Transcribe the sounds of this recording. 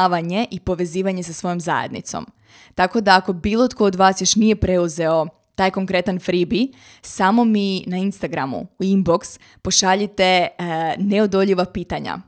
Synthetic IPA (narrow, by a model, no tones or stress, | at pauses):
ʋaɲe̞ʔipo̞ʋe̞ziːʋaɲe̞sasʋo̞jo̞mza̰jḛd̪nḭt̪so̰m | t̪ako̞d̪aːko̞biːlˠo̞t̪ko̞ːd̪ʋaːsjo̞ʃnije̞pɾe̞uze̞o̞ | t̪aːjko̞ŋkɾe̞t̪anfɾibi | samo̞minainst̪aɡɾamṵuimbo̞ks | po̞ʃaʎit̪e̞ | neod̪o̞ʎiʋapiːt̪aɲa̰